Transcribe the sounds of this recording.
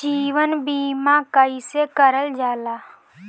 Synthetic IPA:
d͡ʒiːʋənbiːmãkəisekəɾəld͡ʒaːlaː

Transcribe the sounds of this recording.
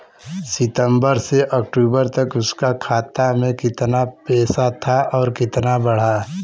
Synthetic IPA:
sɪt̪ə̃mbəɾseʔɐk̚ʈuːbəɾt̪ɐkʊskakʰaːt̪amẽkɪt̪napɛːsat̪ʰaʔɔːɾkɪt̪nabɐɽ̤aː

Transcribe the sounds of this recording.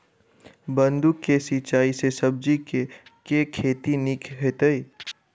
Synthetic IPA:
bə̃nd̪ukːesit͡ʃaːisesəb̚d͡ʒikekekʰeːt̪inikʰɦet̪əi

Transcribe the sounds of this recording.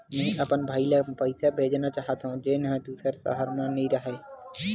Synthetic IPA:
mɛ̃ĩʔəpənbʱaːilepəɪsʰabʱeːd͡ʒnat͡ʃaːɦət̪ɦũd͡ʒɪnɦẽd̪uːsəɾsə̰ɦəɾmãnĩɾəɦe

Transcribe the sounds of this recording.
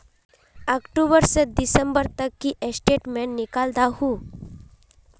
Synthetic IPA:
akʈubəɾsəd̪isəmbəɾt̪əkːiʔesʈeʈmẽɳːikald̪aɦu

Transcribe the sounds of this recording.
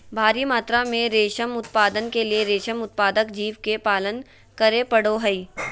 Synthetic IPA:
bʱaːɾimaːt̪ɾamẽɾeːʃəmʊt̪̚paːd̪ənkelieɾeːʃəmʊt̪̚paːd̪əkd͡ʒiːʋkepaːlən | kɐɾepɐɽoɦɐiː

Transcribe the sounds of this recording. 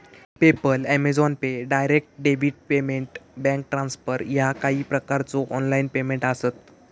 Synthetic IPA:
pepəlæmed͡zɔnpeɖajɾek̚ʈɖeʋiʈ̚pemeɳʈbɛ̃ŋk̚ʈɾãnsfəɾjakaɦiːpɾəkaɾt͡sɔʔɔnlainpemẽɳʈasət̪

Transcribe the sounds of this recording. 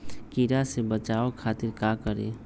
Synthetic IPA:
kiɾasebət͡ʃaːokʰaːt̪ɪɾkaːkəɾḛː

